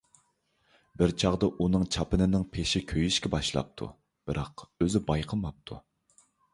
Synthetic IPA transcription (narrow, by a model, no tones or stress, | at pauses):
bɪɾt͡ʃʰɑʁd̪ɑʔunɨŋt͡ʃʰɑpɪnɪnɪŋpʰeʃɪkʲʰøjyʃkʲɛbɑʃlˠɑ̰p̚t̪ʰṵ | b̥ɨɾʔɑqøzɪbɑjqʰəmɑp̚t̪ʰṵ